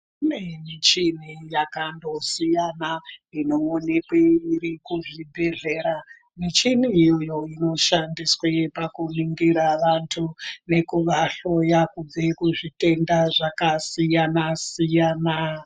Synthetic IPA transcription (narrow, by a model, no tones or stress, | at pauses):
inemit͡ʃinijakando̞sijanaino̞ːne̞kweirikuʐibʱe̞ɮe̞ːɾa | mit͡ʃiniːjo̞jo̞ino̞ʃandiswepakuniŋɡiɾaʋantʰune̞kuʋaɬo̞jakub͡vekuʐite̞ndaʐakasijanasijaːna